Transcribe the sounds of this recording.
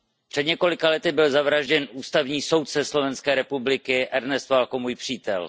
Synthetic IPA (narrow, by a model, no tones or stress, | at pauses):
pr̝̥ɛd̪ɲɛko̞lɪkalɛt̪ɪbɪlzavɾaʒɟɛnʔuːst̪avɲiːsowt̪sɛslo̞vɛnskɛːɾɛpublɪkɪɛɾnɛst̪valkomuːjpr̝̥iːt̪ɛ̰l